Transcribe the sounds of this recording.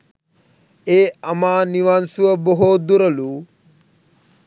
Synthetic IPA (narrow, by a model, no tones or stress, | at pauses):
eːɐmaːniʋaːnsuʋɐboɦod̪uɾɐlu